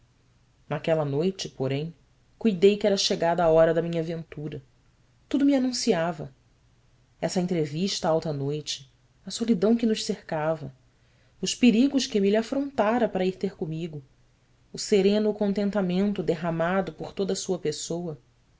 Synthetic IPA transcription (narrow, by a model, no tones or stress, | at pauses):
nakɛlɐnojt͡ʃɪpoɾẽj̃ | kujd̪ejkɪɛɾɐʃeɡad̪ɐaɔɾɐd̪ɐmĩɲɐvẽnt̪uɾɐ | t̪ud̪ʊmianũsiavɐ | ɛsɐẽnt̪ɾeviʃt̪ɐawt̪ɐnojt͡ʃɪ̥ | ɐsolid̪ɐ̃w̃kɪnʊʃseɾkavɐ | ʊʃpeɾiɡʊʃkemilafɾõnt̪aɾɐpaɾɐiɾt̪eɾkomiɡʊː | seɾẽnʊkõnt̪ẽnt̪amẽnt̪ʊd̪eɦamad̪ʊpoɾt̪od̪ɐsuɐpesowɐ